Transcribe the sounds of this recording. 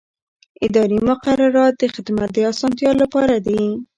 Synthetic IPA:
ɪd̪ɑɾimʊqaɾaɾɑt̪̚d̪əxɪd̪mat̪̚d̪əɑsɑnt̪jɑlːapɑɾad̪e

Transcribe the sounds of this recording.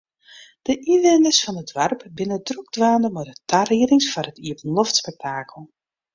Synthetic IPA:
d̥əʔiʋɪnəsfɔnədʋarpbɪnədruɡ̚dʋaːndəmɔdətʰariəɾɪŋsfɔrətiəpən̩lɔftspɛk̚tʰaːkʰəlˠ

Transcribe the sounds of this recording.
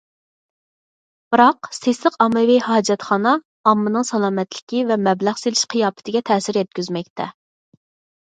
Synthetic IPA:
b̥ɨɾɑqsesləqɑmːɨvihɑːd͡ʒɛt̪χɑnɑː | mːɨnɨŋsɑlˠɑːmɛt̪lɪkʲivɛmɛblæʁselɪʃqʰijɑːpɪ̥t̪ʰɪɡʲɛt̪ʰɛsɪɾjɛt̪̚kʲyzmɛk̚ʲt̪ʰɛ̰

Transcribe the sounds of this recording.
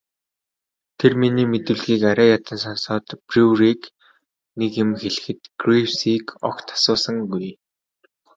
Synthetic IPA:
t̪ʰerminiːmet̪ɘ̆wɮɣiːkaɾaːjat̪ə̆nsɔnsɔːt̪pruriːk | nekjʊ̆mxeɮɘ̆xɘ̆t̪ɡ̥rifsiːkɔ̰kt̪ʰḁsʊːsə̆ŋɡuj

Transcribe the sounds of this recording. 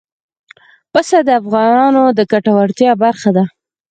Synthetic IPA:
pəsad̪əafɣɑnɑnod̪əkaʈawaɽt̪jɑbaɾxad̪a

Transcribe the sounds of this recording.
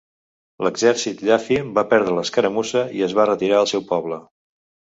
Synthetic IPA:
ləɡzɛɾsit̪ʎafimbapɛɾðɾələskəɾəmuzəiəzβarət̪iɾaəlˠsɛwpɔβ̞lə

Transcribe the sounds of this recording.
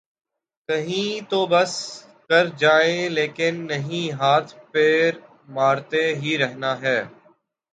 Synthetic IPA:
kɐɦĩːt̪oːbɐs | kɐɾd͡ʒaːeleːkɪnːɐɦĩːɦaːt̪ʰpɪɾ | maːɾt̪eɦiɾɛɦnaɦɛː

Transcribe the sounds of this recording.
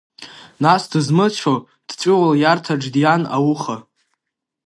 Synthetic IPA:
nasdɨzmɨt͡ʃʷʰo | d̥t͡ʃʷʼɪwaljartʰaʈ͡ʂdjana̰wʊχa

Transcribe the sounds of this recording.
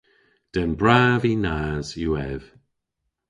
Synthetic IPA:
d̥ənbɹaːvinaːzjuɛv̥

